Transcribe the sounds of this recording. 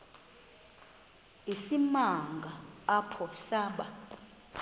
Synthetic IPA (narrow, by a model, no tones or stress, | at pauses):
isimaŋɡʱaːpʰɔɬaːɓa